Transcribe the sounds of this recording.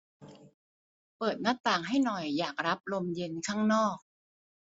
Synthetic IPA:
pɤː˨˩t̪̚na˦˥t̪aː˨˩ŋɦa˥˩jnɔ˨˩jːaː˨˩k̚ɾa˦˥p̚lo˧mje˧nkʰaː˥˩ŋnɔː˥˩k̚

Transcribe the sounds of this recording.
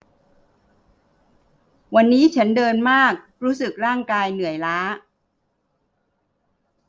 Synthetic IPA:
wa˧nːiː˦˥t͡ɕʰa˦˥ndɤː˧nmaː˥˩k̚ɾuː˦˥sɯ˨˩k̚ɾaː˥˩ŋkaː˧jnɯ˨˩˦əjlaː˦˥

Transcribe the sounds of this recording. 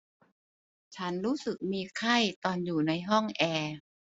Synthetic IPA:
t͡ɕʰa˦˥nɾuː˦˥sɯ˨˩k̚miː˧kʰa˥˩jt̪ɔː˧njuː˨˩na˧jɦɔ˥˩ŋʔɛː˧

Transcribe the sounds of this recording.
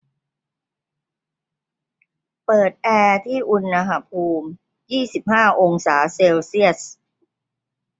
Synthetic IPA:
pɤː˨˩t̪̚ʔɛː˧t̪ʰiː˥˩ʔu˧nːa˧ɦa˧˥pʰuː˧m | jiː˥˩si˨˩p̚haː˥˩ʔo˧ŋsaː˩˦seː˧wsi˥˩əs̚

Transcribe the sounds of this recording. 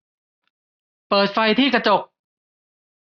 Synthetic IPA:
pɤː˨˩t̪̚fa˧jt̪ʰiː˥˩ka˧t͡ɕo˨˩k̚

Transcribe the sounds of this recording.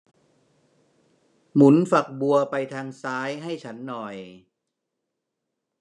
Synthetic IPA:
mu˩˦nfa˨˩k̚bu˧ɐpa˧jt̪ʰaː˧ŋsaː˦˥jɦa˥˩jt͡ɕʰa˦˥nːɔ˨˩j

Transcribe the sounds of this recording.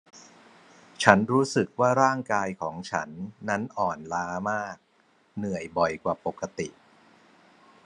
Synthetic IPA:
t͡ɕʰa˦˥nɾuː˦˥sɯ˨˩k̚waː˥˩ɾaː˥˩ŋkaː˧jkʰɔː˩˦ŋt͡ɕʰa˦˥nːa˦˥nʔɔː˨˩nlaː˦˥maː˥˩k̚ | nɯ˨˩əjbɔ˨˩jkwaː˨˩po˨˩kʰːa˧t̪i˨˩ʔ

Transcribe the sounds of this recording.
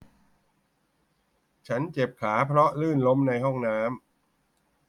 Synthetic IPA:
t͡ɕʰa˦˥nt͡ɕe˨˩p̚kʰaː˩˦pʰɾɔ˦˥ʔlɯː˥˩nlo˦˥mna˧jɦɔ˥˩ŋnaː˦˥m

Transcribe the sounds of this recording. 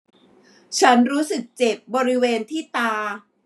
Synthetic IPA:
t͡ɕʰa˦˥nɾuː˦˥sɯ˨˩k̚t͡ɕe˨˩p̚bɔː˧ɾi˦˥weː˧nt̪ʰiː˥˩t̪aː˧

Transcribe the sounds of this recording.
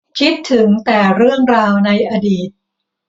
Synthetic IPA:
kʰi˦˥t̪ʰːɯ˨˩˦ŋt̪ɛː˨˩ɾɯ˥˩əŋɾaː˧wna˧jʔa˧diː˨˩t̪̚

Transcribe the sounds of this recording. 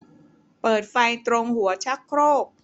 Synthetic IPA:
pɤː˨˩t̪̚fa˧jt̪ɾo˧ŋhu˩˦ɐt͡ɕʰa˦˥kʰːɾoː˥˩k̚

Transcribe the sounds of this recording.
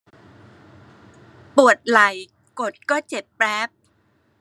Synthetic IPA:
pu˨˩ət̪̚la˨˩j | ko˨˩t̪̚kɔː˥˩t͡ɕe˨˩t̪̚plɛː˦˥p̚

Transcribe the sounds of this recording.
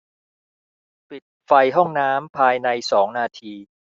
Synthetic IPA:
pi˨˩t̪̚fa˧jɦɔ˥˩ŋnaː˦˥mpʰaː˧jna˧jsɔː˩˦ŋnaː˧t̪ʰiː˧

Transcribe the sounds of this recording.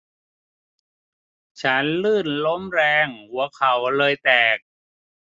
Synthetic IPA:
t͡ɕʰa˦˥nlɯː˥˩nlo˦˥mɾɛː˧ŋhu˩˦ɐkʰa˨˦wlɤː˧jt̪ɛː˨˩k̚

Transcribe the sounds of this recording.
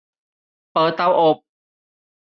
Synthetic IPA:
pɤː˨˧˩t̪ːa˥˩wʔo˨˧˩p̚

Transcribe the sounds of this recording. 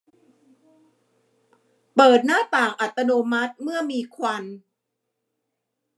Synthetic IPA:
pɤː˨˩t̪̚naː˥˩t̪aː˨˩ŋʔa˨˩t̪ːa˧noː˧ma˦˥t̪̚mɯ˥˩əmiː˧kʰwa˧n

